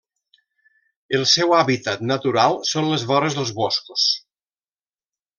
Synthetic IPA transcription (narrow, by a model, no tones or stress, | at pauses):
əlˠsɛwaβit̪at̪nət̪uɾalˠsonlezβɔɾəzðəlˠzβoskus